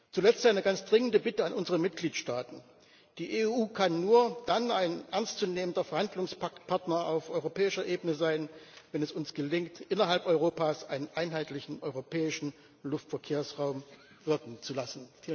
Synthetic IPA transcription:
t͡sulɛt͡staɪnəɡant͡sd̥ʁɪŋəndəbɪtəanʔʊnzəʁəmɪt̚ɡ̥liːtʃtaːtn̩ | d̥iːʔeːuːkʰanːuːɐd̥anaɪnʔɛɐnst͡suneːməndɐfɛɐhandlʊŋspapʰaɐtnɐaʊfʔɔʏʁopɛːɪʃɐʔeːbənəzaɪnvɛnɛsʊnsɡ̥əlɪŋktʔɪnɐɦalpʔɔʏʁ̞oːpaːsʔaɪnənʔaɪnɦaɪtlɪçn̩ʔɔʏʁopʰɛːɪʃn̩ | lʊftfɐkʰeːɐsʁaʊm | v̥ɪɐkŋ̩t͡sulasn̩

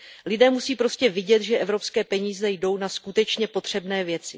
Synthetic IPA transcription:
lɪdɛːmusiːpɾo̞scɛvɪɟɛt̪ʒɛʔɛvɾo̞pskɛːpɛɲiːzɛjdo̞wnaskut̪ɛt͡ʃɲɛpo̞t̪r̝̥ɛbnɛːvjɛt͡sɪ

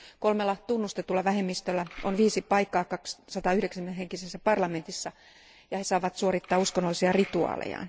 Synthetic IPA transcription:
kolmelːɑt̪unːust̪et̪ulːɑʋæhemːist̪ølːæonʋiːsipɑikːˑɑːkɑkssɑt̪ɑːyhɾeksæmmeneheŋkisesːæpɑrlɑment̪isːɑ | jɑhesɑːʋɑt̪suoɾit̪ːɑːuskonːolːisiɑrit̪uɑ̰ːlḛjɑ̰n

